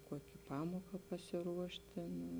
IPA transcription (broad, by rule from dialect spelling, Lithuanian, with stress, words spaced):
ˈkuɔkʲɪ ˈpɑːmuɔkɐ pɐsʲɪˈruɔʃt ˈtʲeːn